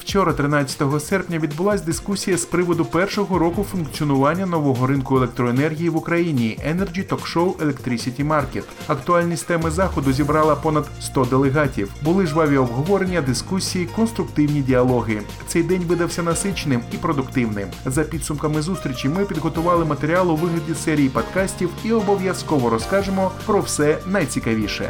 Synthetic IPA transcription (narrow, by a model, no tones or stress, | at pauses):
w̥t͡ʃɔɾɐt̪ɾɪnɑt͡sʲːɐ̥t̪ɔɦɔsɛrpnʲɐʋʲid̪bʊlˠɑsʲd̪ɪskusʲijɐspɾɪʋɔd̪ʊpɛrʃɔɦɔɾɔkʊfʊnkt͡sʲiɔnʊʋɑnʲːɐnɔʋɔɦɔɾɪnkʊelek̚t̪ɾɔenɛrɦʲijiʋʊkɾɐjinʲiɛnerd͡ʒʲit̪ɔkʃɔwʔelˠek̚t̪ɾisʲitʲimɑrket̪ | ɐkt̪ʊɑlʲnʲist̪ɛmɪzɑxɔd̪ʊzʲibɾɑlˠɐpɔnɐd̪st̪ɔd̪elˠeɦɑtʲiwbʊlˠɪʒʋɑʋʲiɔbɦɔʋɔɾenʲːɐd̪ɪskusʲijikɔnst̪ɾʊkt̪ɪwnʲidʲɪɐlˠɔɦɪ | t̪sɛjd̪ɛnʲʋɪd̪ɐwsʲɐnɐsɪt͡ʃnɪmipɾɔd̪ʊkt̪ɪwnɪ̰mzɐpʲid̪sʊmkɐmɪzust̪ɾʲit͡ʃʲimɪpʲid̪ɦɔt̪ʊʋɑlˠɪmɐt̪eɾʲiɑlˠʊʋɪɦlʲɐdʲisɛɾʲijipɐd̪kɑsʲtʲiwiɔbɔʋʲjɐskɔʋɔɾɔskɑʒemɔpɾɔwsɛnɐjt͡sʲikɐʋʲiʃɛ̰